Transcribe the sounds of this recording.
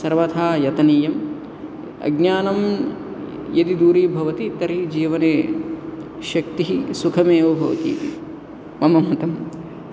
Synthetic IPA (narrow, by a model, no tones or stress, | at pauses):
sɐɾʋɐt̪ʰaːjɐt̪ɐniːjɐm | ɐ̰ɡnjaːnɐm | jɐd̪id̪uːɾiːbʱɐʋɐt̪it̪ɐɾiɦid͡ʒiːʋɐneː | ʃɐkt̪iɦisukʰɐmeːʋɐbʱɐʋɐ̰t̪ḭːt̪i | mɐmɐmɐt̪ɐm